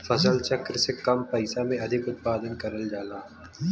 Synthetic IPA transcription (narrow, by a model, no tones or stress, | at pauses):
fɐzəlt͡ʃɐkɾsekɐmpɐɪsamẽɐd̪ʱɪkʊt̪̚paːd̪ənkɐɾəld͡ʒaːlaː